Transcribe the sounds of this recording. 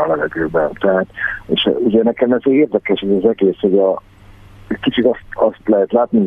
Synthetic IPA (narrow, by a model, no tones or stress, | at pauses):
ɒlɛvɛɡøːbɛnt̪ɛɦat̪ḛːʃuɟɛnɛkɛmɛzeeːrd̪ɛkɛʃɛzɑzɛɡeːsho̞ɟɒ | ɛckit͡ʃit̪ɒst̪ɒst̪lɛɦɛt̪laːt̪ni